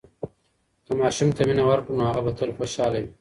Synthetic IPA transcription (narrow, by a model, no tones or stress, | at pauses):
kɐmaːʃumt̪ɐminɐwɐɾkunoaɣɐbɐt̪ʰɐlxoʃaːlɐwi